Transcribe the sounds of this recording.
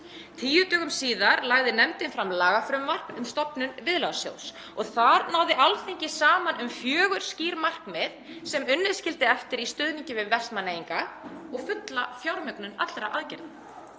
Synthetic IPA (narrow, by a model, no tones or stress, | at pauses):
t̪ʰiːjʏt̪œːɣʏmsiːðaɾlaɣðɪnɛmt̪ɪnfɾamːlaːɣafɾʏmːar̥knʏmst̪ɔpnʏnvɪðlawsjo̰ws | ɔɣθaɾnawðɪʔalθeɲcɪsaːmanʏmfjœːɣʏɾ̥sciːɾmar̥kmɪð | sɛmʏnːɪðscɪlt̪ɪɛft̪ɪɾist̪ʏːðniɲcɪvɪðvɛr̥t̪manejiŋkaɔɣfʏt̪lafjawɾmʏknʏna̰t̪lɾaʔaðcɛɾðɪ